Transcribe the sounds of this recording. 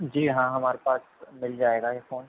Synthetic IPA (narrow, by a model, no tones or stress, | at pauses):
d͡ʒiːɦãɦɐmaːɾepaːsmɪld͡ʒaːeːɡajefoːn